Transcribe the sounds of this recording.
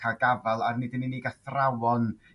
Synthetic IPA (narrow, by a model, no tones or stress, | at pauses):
aɡavalˠarnɨdəniniɡaθrawɔn